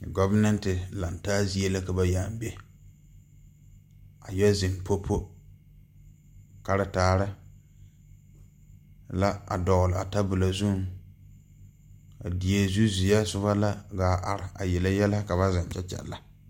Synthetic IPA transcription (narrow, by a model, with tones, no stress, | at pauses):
ɡɔ˦va˦nɛ˦ntɪ˨la˨ntaː˦zi˦e˦la˦ka˨ba˦jaː˨m˦be˦ | a˨jɛ˦zɪ˨ŋpo˦pʰo˦ | ka˨ɾɪ˦taː˨ɾɪ˦ | la˦a̰˨dɔ˨ɣlɪ˨a˨ta˦bʊ˨la˨zu˦ŋ | a̰˨di˨e˦zu˦zi˨ja˦sʊ˦βa˦la˦ɡaː˨ʔa˨ɾɪ˨a˨jɛ˨la˦jɛ˦la˦ka˨βa˦za˨n˨t͡ʃɛ˦t͡ʃɛ̰˨la˨